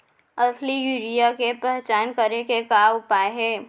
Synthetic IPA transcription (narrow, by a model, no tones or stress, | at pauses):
ɐslijuɾijakepɛɦt͡ʃaːnkəɾekekaːʊpaːeɦɛː